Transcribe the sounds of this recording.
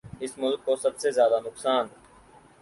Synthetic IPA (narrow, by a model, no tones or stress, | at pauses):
ɪsmʊlkːosɐbsezjaːd̪anʊksaːn